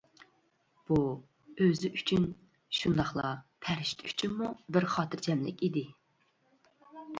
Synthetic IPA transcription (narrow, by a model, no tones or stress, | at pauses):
b̥u | øzɪʔyt͡ʃʰyn | ʃund̪ɑχlˠɑpʰæɾɪʃt̪ʰy̥t͡ʃʰynmubɪɾχɑːt̪ʰɨɾd͡ʒɛmlɪ̰kʲid̪ɪ